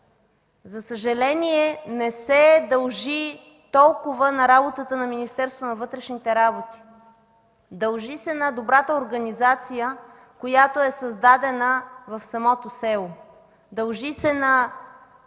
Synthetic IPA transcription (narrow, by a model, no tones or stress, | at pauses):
zɐsəʒɐlɛniɛnɛsɛd̪ɐlˠʒi | t̪ɔlˠkʊvənɐɾabot̪ət̪ənɐminist̪ɛɾst̪vonɐvɤt̪ɾɛʃnit̪ɛɾabot̪i̥ | d̪ɐlˠʒisɛnɐd̪obɾat̪əoɾɡɐnizat̪sijə | kojat̪oɛsɐzd̪ad̪ɛnəvɐfsɐmɔt̪osɛlˠo | d̪ɐlˠʒisɛnɐ